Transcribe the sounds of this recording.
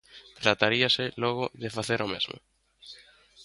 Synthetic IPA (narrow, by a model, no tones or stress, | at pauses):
t̪ɾat̪aɾiasɪlɔɣ̞ʊðefaθeɾɔmezmʊ̰